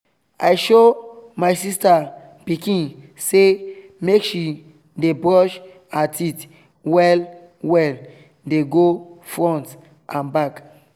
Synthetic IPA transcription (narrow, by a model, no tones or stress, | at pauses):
ajʃomaɪsista | pikĩn | se | mekʃi | debɹɔʃ | atit | wɛl | wɛl | deɡofɹɔ̃nt | ʔãnbak